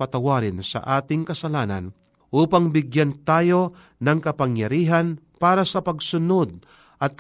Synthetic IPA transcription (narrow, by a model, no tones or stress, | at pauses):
pɐt̪ɐwaːɾɪnsɐ̰ʔaːt̪ɪŋkɐsɐlaːnɐ̰n | ʔuːpɐŋbɪɡjant̪aːjo̞ | nɐŋkɐpɐŋjɐɾiːɦɐn | paːɾɐsɐpɐɡsʊnod̪̚ | ʔɐt̪̚k